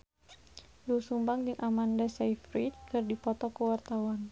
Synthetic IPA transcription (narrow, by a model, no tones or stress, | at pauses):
lusumbaŋd͡ʒɨŋʔamandasajfɾit̚kərdipɔt̪ɔkəwart̪awan